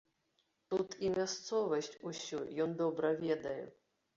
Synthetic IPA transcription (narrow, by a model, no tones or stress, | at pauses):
t̪ut̪ʰimʲast̪sɔvɐsʲt͡sʲusʲujɔnd̪ɔbɾɐvʲɛd̪ɐjɛ̰